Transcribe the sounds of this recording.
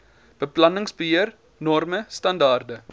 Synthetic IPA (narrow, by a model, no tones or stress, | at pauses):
b̥əplɐnəŋsbəɦiər | nɔrməstɐndɑːrdə